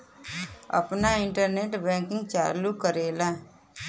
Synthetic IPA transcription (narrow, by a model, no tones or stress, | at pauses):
ə̰pnaɪɳʈəɾneːʈbɛ̃ːkɪ̃ŋɡt͡ʃaːlukəɾeːlaː